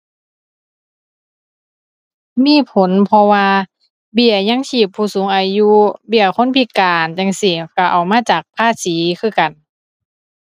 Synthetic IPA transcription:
miː˧˥˨pʰo˨˦npʰɔ˧waː˧ | bi˧˩ɐɲa˧˥˨ŋt͡ɕiː˧˩pʰːuː˧˩suː˨˦ŋʔaː˨˧ju˧˥bi˧˩ɐkʰo˧˥˨npʰi˧˩kaː˨˩nt͡ɕa˧ŋsi˧˩ka˧˩ʔa˨˩wmaː˧˥˨t͡ɕaː˨˩k̚pʰaː˧˥˨siː˨˦kʰɯː˧˥˩ka˨˩n

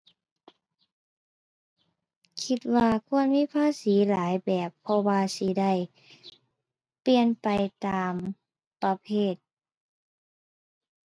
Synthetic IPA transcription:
kʰi˧t̪̚waː˧kʰu˧˥ənmiː˧˥˨pʰaː˧˥˨siː˨˩˦laː˨˦jbɛː˨˩pʰːɔ˧waː˧si˧da˥˩j | pli˧ənpa˨jt̪aː˨˧m | pa˧pʰeː˧˥˩t̪̚

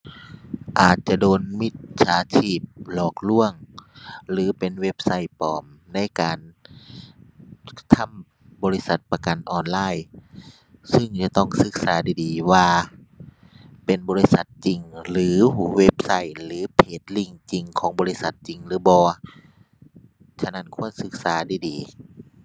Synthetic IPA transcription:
ʔaː˨˩t̪̚t͡ɕa˧˨doː˨nmi˦˧˥t̪̚sʰaː˨˦t͡ɕʰiː˧˩p̚lɔː˧˩k̚lu˧˥˩əŋ | lɯː˨˦pe˨nwe˦˥p̚sa˧˥˩jpɔ̰ː˨˩mna˧˥˨jkaː˨˩n | t̪ʰa˧˥˨m | bɔː˧˦li˦˧˥sa˨˧˩t̪̚pa˧ka˨˩nʔɔː˨nlaː˧˥˩j | sɯ˧˩ŋt͡ɕa˧˦t̪ɔ˧˥˩ŋsɯ˧˦k̚saː˨˦diː˧˩diː˨waː˧ | pe˨nbɔː˨˧li˦˧˥sa˧˦t̪̚t͡ɕi˨˩ŋlɯː˨˦we˦˧˥p̚sa˧˩˨jlɯː˨˦pʰeː˨˩t̪̚li˧˩ŋt͡ɕi˨ŋkʰɔː˨˦ŋbɔː˧˨li˦˧˥sa˧˦t̪̚t͡ɕi˨˩ŋlɯː˨˦bɔː˧ | t͡ɕʰa˧˩na˧˥˨nkʰu˧˩ənsɯ˧˥k̚saː˨˦daː˧˩diː˨˩

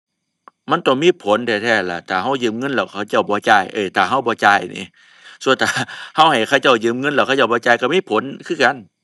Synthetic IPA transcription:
ma˧˥˨nt̪ɔ˧˨˩ŋmiː˧˥˨pʰo˨˦nt̪ʰɛː˧˩t̪ʰɛː˧˩la˧˩t̪ʰaː˨˩ɦa˧˥˩wjɯː˧˩˨mŋɤ˧˥˨nlɛː˧˩wkʰa˧˩wt͡ɕa˧˩wbɔː˧˦t͡ɕaː˧˩jʔɤː˧˩t̪ʰaː˨˩ɦa˧˥˩wbɔː˧˦t͡ɕaː˧˩jnḭː˧˦ | su˧ənt̪ʰaː˨˧˩ha˧˩˨wha˨˩jkʰa˧˩˨wt͡ɕa˧˩wjɯː˧˩˨mŋɤ˧˥˨nlɛː˧˩kʰa˧t͡ɕa˧˩˨wbɔː˧˦t͡ɕaː˧˩˨jka˧˩miː˧˥˨pʰo˨˦nkʰɯː˧˨ka˧˨n

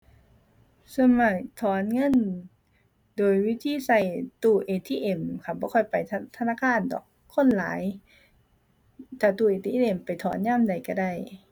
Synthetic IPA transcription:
sa˧ma˧˩k̚t̪ʰɔː˨˦nŋɤ˧˥˨n | doː˨˩jwiː˦˧˥t̪ʰiː˧˥˨sa˧˩jt̪uː˧˩ʔeː˨˩t̪ʰiː˧ʔe˧˩mkʰa˧˩bɔː˧˦kʰɔ˧˩jpa˨jʰt̪ʰa˧naː˧˥˨kʰaː˧˥˨ndɔ̰ː˨˩k̚ʰːo˧˥˨nlaː˨˦j | t̪ʰaː˧˩t̪uː˧˨ʔeː˨t̪ʰiː˧˨ʔe˧˩mpa˨jt̪ʰɔː˨˦nɲaː˧˥˨mda˨˩jka˧˩da˧˩j

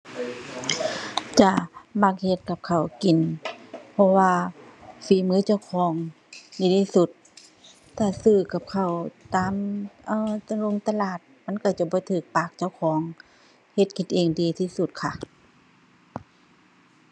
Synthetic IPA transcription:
t͡ɕa˧ʔma˧k̚he˧t̪̚ka˧˦p̚kʰa˧˨˩wki˨npʰɔ˧waː˧fiː˨˩mɯː˧˦t͡ɕa˧˩wkʰɔː˨˧˦ŋ | diː˧˩t̪ʰiː˧su˧˦t̪̚ː | aː˧˩sɯː˧˩ka˧˦p̚kʰa˨˩wt̪aː˨˧˦mʔɤː˧˩t̪a˧lo˧˨ŋt̪a˧laː˨˩t̪̚ma˧˥˨nka˧˩t͡ɕa˧˩bɔː˧˦t̪ʰɯː˧˩k̚paː˧˩k̚t͡ɕa˧˩wkʰɔː˨˦ŋ | he˧˦t̪̚ki˧˩nʔeː˧ŋdiː˧˩t̪ʰiː˧su˧˦t̪̚kʰa˧˨ʔ

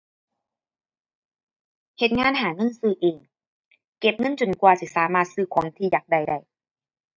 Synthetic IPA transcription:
he˨˩t̪̚ŋaː˧˥˨nɦaː˨˩˦ŋɤ˧˥˨nsɯː˧˩ʔeː˨˩ŋ | ke˨˩p̚ŋɤ˧˥˨nt͡ɕo˨˩nkwaː˧˩t̪ʰiː˧˩saː˩˦maː˧˩t̪̚sɯː˧˩kʰwɔ˨˩˦ŋt̪ʰiː˧˩jaː˨˩k̚da˧˩jda˧˩j

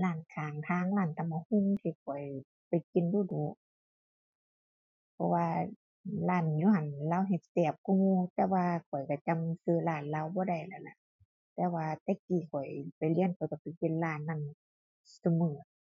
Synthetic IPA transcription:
laː˧˩nkʰaː˨˩ŋt̪ʰaː˧˥˨ŋlaː˧˩nt̪a˧˨ma˧hu˧˥˨ŋt̪ʰiː˧˩kʰɔ˨˩j | pa˨jki˧˨nduː˧˩˨duː˧˦ | pʰɔ˧waː˧ | laː˧˩˨njuː˧˩ha˨nlaː˧˨wɦe˧˩˧t̪ɛː˧˩p̚ku˧˨ŋuː˧˨t̪ɛː˧waː˧kʰɔ˨˩jka˧˩t͡ɕa˧˨msɯː˧˨laː˧˩nlaː˧˨wbɔː˧˦da˧˩jla˧˩la̰˧˨ʔ | t̪ɛː˧˩waː˧t̪ɛː˧˩kiː˨˩kʰɔ˨˩jpa˨jli˧ənkʰɔ˨˩jka˧˩pi˨˧˩ki˧˥˨nlaː˧˩˨nːa˧˨n | su˧mɯː˨˩t̚

